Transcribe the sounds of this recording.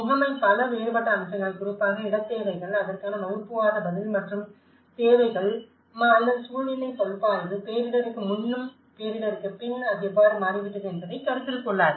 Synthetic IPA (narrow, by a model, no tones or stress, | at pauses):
ʊɣɐmɐɪpɐlɐʋejɐɾpɐʈːɐːmt͡ʃːɐŋɡɐɭkʊɾɪpːaːɣɐɪɽɐt̪ːeːʋɐɪɣɐɭɐðɐrkaːnɐmɐɣɯpːɯʋaːðɐbɐðɪlmɐʈrɯm | t̪eːʋɐɪɣɐɭ | mːlːɐðɯsuːlɪnɐɪpɐlpːaːɾɐðpeːɾɪɽɐɾɯkːɯmʊnːɯm | peːɾɪɽɐɾɯkːɯpɪnɐðɯɛʋːaːɾɯmaːɾɪʋɪʈːɐðɯɛnbɐðɐɪkɐɾɯt̪ːɪlkːɔɭːaːðɯ